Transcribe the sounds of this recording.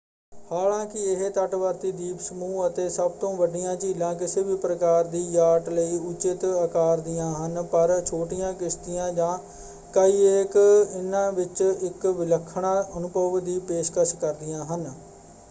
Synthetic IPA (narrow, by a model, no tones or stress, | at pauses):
haːlãːkɪɪɦt̪əʈʋəɾt̪iːd̪iːpsəmuːət̪eːsəbt̪õːʋəɖɪjãːt͡ʃiːlãːk̬ɪseːʋiːpɾəkaːɾd̪iːjaːʈləiːʊt͡ʃɪt̪əkaːɾd̪ɪjãːɦənpəɾt͡ʃʰoːʈɪjãːkɪst̪ɪjãːd͡ʒãː | kəiːekɪnãːʋɪt͡ʃɪkʋɪləkʰːɳaːʔənʊpəʋd̪iːpeːʃkəʃkəɾd̪ɪjãːɦən